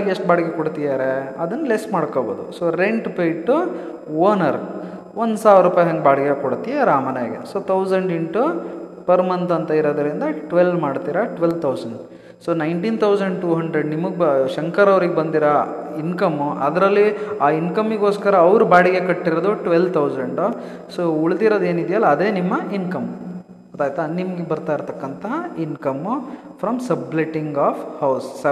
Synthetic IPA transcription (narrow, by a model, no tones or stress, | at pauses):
ɡeʂʈ̚baːɽiɡekoɽt̪ijaːɾeɐd̪ɐnːɐlesmaːɽkoːboːd̪ṵsoːɾeɳʈpejʈːu | oːnɐɾ | ʋond̪saːʋɐɾuːpajɐɦɐŋɡbaːɽiɡekoɽt̪ijaɾaːmɐnɐjɐɡḛsoːt̪ʰɐwsɐɳɖeɳʈupɐɾmɐnt̪ɐnt̪ɐiɾoːd̪ɐɾind̪ɐʈʋelmaːɖt̪iːɾɐʈʋelt̪ʰɐwsɐɳɖ | soːnɐjɳʈint̪ʰɐwsɐɳɖʈuːɦɐɳɖɾeɖnimɐɡʃɐŋkɐɾɐʋɾiɡebɐnd̪iɾɐ | inkɐmːɐd̪ɾɐlːiaːinkɐmːiɡoːskɐɾɐːʋɾubaːɽiɡe̞kɐʈːiɾod̪uʈʋelʋt̪ʰɐwzɐɳɖ | soːuɭd̪iɾod̪e̞ːnid̪jɐlːɐːd̪e̞ːnimːɐinkɐm | ɐt̪aːjt̪ɐnimɐɡebɐɾt̪aːiɾt̪ɐkːɐnt̪ɐɦɐinkɐmpʰɾɐmsɐbleʈiŋɡaːpʰhɐwsːɐ